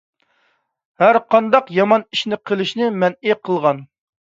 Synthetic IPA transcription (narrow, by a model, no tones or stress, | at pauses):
hæɾqʰɑnd̪ɑqjɑmɑniʃnɪqʰəlˠɪʃnɪmɛnɪqʰəlˠʁɑn